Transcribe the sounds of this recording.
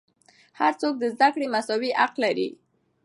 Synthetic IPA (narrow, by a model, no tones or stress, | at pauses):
haɾt͡sok̚d̪əzd̪akɽemasɑwiʔaqlaɾḭ